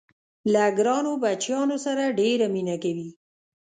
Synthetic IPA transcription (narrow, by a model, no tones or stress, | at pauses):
laɡɾɑnobat͡ʃjɑnosaɾaɖeɾaminakawi